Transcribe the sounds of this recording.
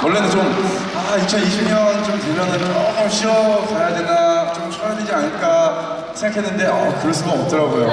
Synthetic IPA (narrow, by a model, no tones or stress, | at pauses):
wʌɭːe̞nɯnt͡ɕom | ait͡ɕʰʌniɕʰimɲʌnt͡ɕomtebjʌnanɯʌʌɕʰiʌkajadeɡat͡ɕomt͡ɕʰoɾadwed͡ʑiaɲiɭk͈a | sʰeŋɡakʰe̞nːɯnde̞ʌkɯɾʌs͈ɯɡaʌp̚t͈ɯɾaɡojo